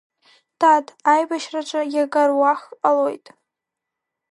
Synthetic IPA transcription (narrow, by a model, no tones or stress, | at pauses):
tʰadʰajbaʃraʈ͡ʂʼajaɡarwaχalojtʼ